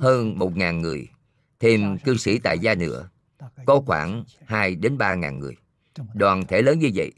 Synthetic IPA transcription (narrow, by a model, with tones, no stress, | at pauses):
həː˧nmo˨˩t̚ŋaː˨˩nŋɨ˨˩əj | t̪ʰe˧mkɨ˧sḭ˧˩t̪a̰ː˧˨jzaː˧nɨ̰˧˥ə | kɔ˨˦xwaː˧˩nhaː˧jɗe˨˦nɓaː˧ŋa̰ː˨˩nŋɨ̰˨˩əj | ɗwaː˨˩nt̪ʰe˧˩ləː˨˦nɲɨ˧və̰˧˨j